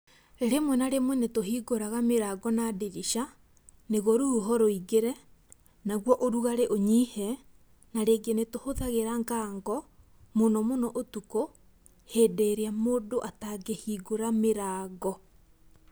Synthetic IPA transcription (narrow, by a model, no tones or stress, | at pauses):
ɾemwɛnaɾemwɛnetoɦiːɡoɾaɣameɾaːɡɔnadeɾiʃa | neɣɔɾuɦɔɾoiɡeɾɛ | naɣwɔʔoɾuɣaɾeʔoɲihɛ | naɾeɡenetohoðaɣeɾaŋɡaːŋɡɔ | monɔmonɔʔotuko | heːdɛɾeamoːdoʔataɡehiːɡoɾameɾaːɣɔ